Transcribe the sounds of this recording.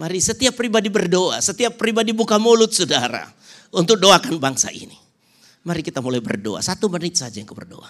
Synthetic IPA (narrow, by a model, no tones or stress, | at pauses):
maɾisət̪iapːɾibadibərdoasət̪iapːɾibadibukamolʊt̪̚sudaɾa̰ | unt̪ʊk̚doakanbaŋsa̰ʔḭni | maɾikit̪amulajbə̰rdo̰a̰sat̪umənɪt̪̚sad͡ʒajaŋkubə̰rdo̰a